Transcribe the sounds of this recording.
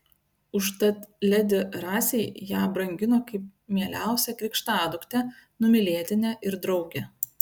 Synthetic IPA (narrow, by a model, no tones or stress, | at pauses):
ʊʃt̪ɐt̪lʲɛd̪ʲɪɾɑːsʲɛɪjæːbɾɐŋʲɡʲɪnoːkɐɪp̚mʲiɛlʲæ̰ˑʊsʲɛkɾʲɪkʃt̪ɑːd̪ʊkt̪ʲɛnʊmʲɪlʲiɛt̪ʲɪnʲɛʔɪɾd̪ɾɒʊɡʲɛ